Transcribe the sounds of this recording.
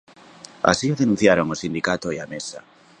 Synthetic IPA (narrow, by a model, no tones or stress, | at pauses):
a̰sioðenũn̟θjaɾoŋosind̪ikat̪oiamesa